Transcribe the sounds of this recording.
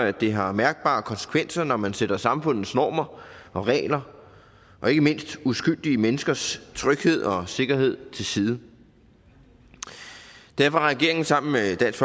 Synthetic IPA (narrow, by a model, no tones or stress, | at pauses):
æd̥e̝ɦɑ̈mæɐɡ̥̚b̥ɑ̰̈ːkʰɒ̽nsə̥kʰʋen̰sɐnɒmænseɾ̥ɐsɑ̈mfɔ̽n̰ð̩ˠsnɒ̰ːmɐʔɒ̽ʁɛ̰ːlɐ | ʔɒ̽e̝ɡ̥əme̝n̰sd̥usɡ̥yl̰d̥iəmenəsɡ̥ɐst͡sʰʁœɡ̥he̝ð̞̰ˠɒ̽se̝ɡ̥ɐɦe̝ð̰ˠt͡sʰe̝lsiːð̞ˠə | d̥æɐ̰fɒʁɛɡ̥e̝ɐe̝ŋn̩sɑ̈m̰n̩med̥æn̰sf